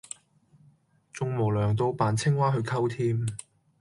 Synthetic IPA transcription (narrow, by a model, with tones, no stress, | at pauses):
t͡sʊ˧ŋmo˨˩wlœː˨˩ŋt̪̬o˧wpaː˨˥nt͡sʰɪ˥ŋwaː˥ɦɵ˧ɥkʰɐ˥wt̪ʰiː˥m